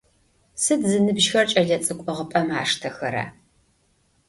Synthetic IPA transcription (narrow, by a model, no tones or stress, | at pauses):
sɨdzɨnɨbʒxɐrt͡ʃʼɐɮɐt͡sʼɨkʷʼɔʁəpʼɐma̰ːʂtʰɐxɐɾɐ̰